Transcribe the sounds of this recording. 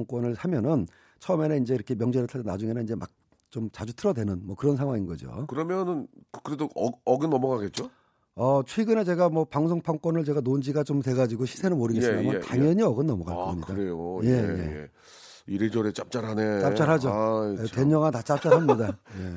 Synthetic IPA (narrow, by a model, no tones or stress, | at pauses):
ŋk͈wʌnɯɭsʰamjʌnɯn | t͡ɕʰʌɯme̞neind͡ʑe̞iɾʌkʰe̞mjʌŋd͡ʑeɾɯɭtʰɯdnad͡ʑuŋe̞nanind͡ʑemʔa̰k̚ | t͡ɕomt͡ɕad͡ʑutʰɯɾʌdwe̞nɯnmʌkɯɾʌnsʰaŋɦwaŋinɡʌd͡ʑo̰kɯɾʌmjʌnɯnkɯɾedoʌʌɡɯnːʌmʌɡaɡet̚t͡ɕ͈o | ʌt͡ɕʰwe̞ɡɯne̞t͡ɕe̞ɡamwʌpaŋsʰoŋpʰaŋkwʌnɯɭt͡ɕe̞ɡanond͡ʑiɡat͡ɕomtwe̞ɡad͡ʑiɡoɕʰi̥sʰenɯɭmoɾɯɡes͈mdamjʌntaŋjʌɲiʌɡɯnːʌmʌɡa̰ɭk͈ʌmɲidaɾejojejḛ | iɾed͡ʑʌɾet͡ɕ͈ap̚t͡ɕ͈aɾɦanet͡ɕapt͡ɕ͈aɾɦad͡ʑoteɲʌŋatat͡ɕ͈ap̚t͡ɕ͈aɾɦamɲidaje